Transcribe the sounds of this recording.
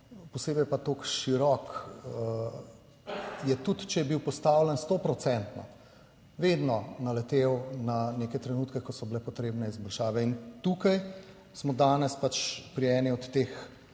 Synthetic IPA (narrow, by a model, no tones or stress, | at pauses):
pɔsebɛjpat̪okʃiɾɔk | jɛt̪ut̪t͡ʃɛjɛbiwpɔst̪awlɛnst̪opɾɔt̪sɛnt̪nɔ̰ | ʋed̪nɔnɐlɛt̪ewnanekɛt̪ɾɛnuːt̪kɛkɔsɔblɛpɔt̪ɾeːbnɛizbɔlʃaːʋɛint̪ukaj | smɔd̪aːnɛspat͡ʃpɾiɛːniɔt̪ːex